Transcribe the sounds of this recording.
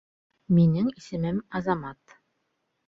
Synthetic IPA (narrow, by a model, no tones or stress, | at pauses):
minɘŋisɘ̆mɘmɑzɑmɑt̪